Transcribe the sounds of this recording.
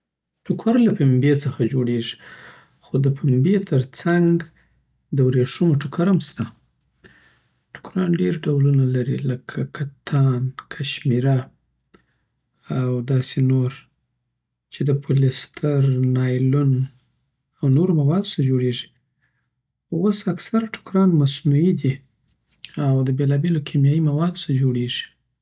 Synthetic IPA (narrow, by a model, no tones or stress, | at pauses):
ʈʊkʰaɾlapimbet͡səxad͡ʒoɽeʐi̥ | xod̪əpʰɪmbet̪ʰəɾt͡saŋɡ | d̪əwɾeʂumoʈʊkʰaɾamst̪a | ʈʊ̥kɾɑnɖeɾɖawlunalaɾḭləkʰakat̪ʰɑnkʰaʃmiɾa | awd̪ɑsenoɾ | t͡ʃed̪əpʰolest̪ʰaɾnɑjlʊn | awnoɾomawɑd̪osad͡ʒoɽeʐi̥ | wosaksaɾaʈʰʊ̥kɾɑnmasnuid̪i | awd̪əbelɑbelokʰemjɑjimawɑd̪osad͡ʒoɽeʐi̥